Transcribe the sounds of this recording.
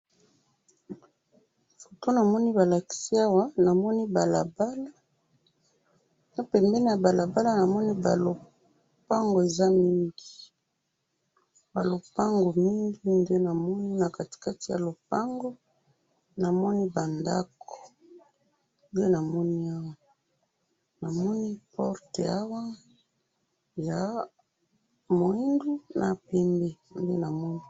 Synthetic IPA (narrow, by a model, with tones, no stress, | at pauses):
fo̥˨to˦na˨mɔ˦ni˦ba˨la˨ki̥˨si˦a˦wa˦na˨mɔ˦ni˦ba˨la˨ba˦la˦ | na˦pɛ˨mbɛ˦ni˦ja˨ba˨la˨ba˦la˦na˨mɔ˦ni˦ba˨lo˨ | pa˦ŋɡo˨e˨za˦mi˦ŋɡi˨ | ba˨lo˨pa˦ŋɡo˨mi˦ŋɡi˦nde˦na˨mɔ˦ni˦na˨ka˨ti̥˨ka˦ti˨ja̰˨lo˨pa˦ŋɡo˦ | na˨mɔ˦ni˦ba˨nda̰˦ko̥˨ | nde˦na˨mɔ˦ni˦a˦wa˦˨ | na˨mɔ˦ni˦pɔ˦ʁte˨a˦wa˦ | ja˨ | mo˨i˦ndu˦na˨pɛ˨mbe˦˨nde˦na˨mɔ˦ni˦